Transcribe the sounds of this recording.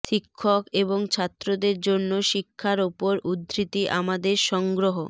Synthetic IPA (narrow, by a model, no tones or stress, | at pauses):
ʃikʰːokeboŋt͡ɕʰat̪ːɾod̪eɾd͡ʑonːoʃikʰːaɾupoɾud̪ɾit̪iʔamad̪eɾʃɔŋɡɾoɦo